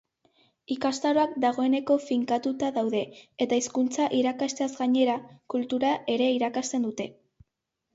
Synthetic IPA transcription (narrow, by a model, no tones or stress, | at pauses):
ikast̪aɾo̞akd̪aɣ̞o̞e̞ne̞ko̞fiŋkat̪ut̪aðawðe̞et̪aiskunt͡saʔiɾakast̪e̞azɡaɲe̞ɾakult̪uɾaʔe̞ɾe̞iɾakast̪e̞nd̪ut̪e̞